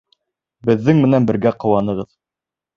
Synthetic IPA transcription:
bɘ̆ðːɘŋmɘ̆nænbɘ̆ɾɡæqŏwɑnɤ̆ʁɤð

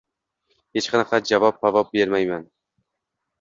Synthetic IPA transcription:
het͡ʃqɑnɨqʰɑd͡ʒavɒp̚pavɒp̚beɾmajman

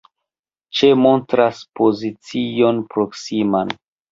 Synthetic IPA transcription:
t͡ʃe̞mo̞ntɾaspo̞zit͡sio̞npɾo̞ksiman

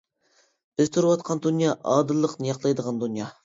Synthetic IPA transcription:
b̥ɪz̥t̪ʰuɾwɑt̪qʰɑnd̪unjɑʔɑd̪ɨlˠːəqnijɑqlˠɑjd̪əʁɑnd̪unjɑ

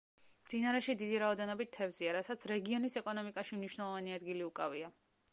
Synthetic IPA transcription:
md̪̥inaɾɛʃid̪id̪iɾaɔd̪ɛnɔbit̪ʰːɛvziaɾasat̪sʰɾɛɡiɔnisɛkʼɔnɔmikʼaʃimniʃwnɛlˠɔvaniad̪ɡiliukʼavia

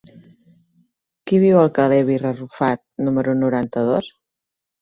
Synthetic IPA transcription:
kiβ̞iwəlˠkəlɛβirərufat̪̚numəɾunuɾant̪əðos

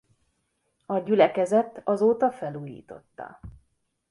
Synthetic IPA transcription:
ɒɟylɛkɛzɛt̪ɒzoːt̪ɒfɛluːjḭːt̪o̞̰t̪ːɒ̰

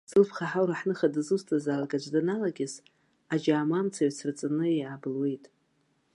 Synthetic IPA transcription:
z̥ɨlpʰχaħawɾaħnɨχadɨzustʰʼazalaɡʼad͡ʒʷdanalaɡʲɪz | ad͡ʒaːmamt͡sʰaɥt͡sʰrt͡sʼanɨiʕabɨlwe̞jtʼ

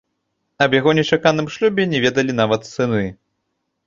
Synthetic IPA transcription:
ɐbjaɣɔnʲɛt͡ʂakanɨmʂlʲubʲɛnʲɛvʲɛd̪ɐlʲin̪avɐt̪sɨnɨ

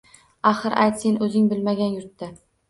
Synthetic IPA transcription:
aχɨɾʔa̰jt̪senɵzɪŋbɪlmaɡʲanjʊɾt̪ːɪ

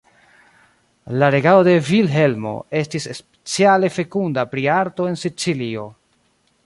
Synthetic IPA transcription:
laɾe̞ɡao̞de̞vilɦe̞lmo̞̰e̞stisespe̥t͡siale̞fe̞kundapɾiaɾto̞e̞nsit͡silio̞

